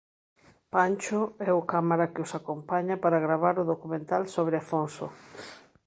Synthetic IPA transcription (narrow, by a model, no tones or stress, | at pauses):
pant͡ʃʊɛʊkamaɾakɪosakompaɲapaɾaɣɾaβ̞aɾʊðokumẽnt̪alsoβ̞ɾeafonso̰